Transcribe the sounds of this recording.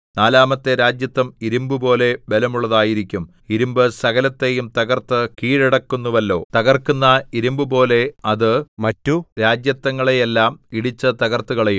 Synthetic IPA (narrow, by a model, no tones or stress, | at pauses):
naːlaːmɐt̪ːeɾaːd͡ʑjɐt̪ːɐmiɾumbɨpo̞ːle̞belɐmuɭːɐðaːjiɾikʲːum | iɾumbɨsɐɣɐlɐt̪ːe̞jumt̪ɐɣɐrt̪ɨkiːɻiɽɐkːunːuʋɐlːo̞ːt̪ɐɣɐrkːunːɐiɾumbɨpo̞ːle̞ɐðɨmɐtːuɾaːd͡ʑjɐt̪ːɐŋːɐɭejelːaːmiɽit͡ɕːɐt̪ɐɣɐrt̪uɣɐɭejum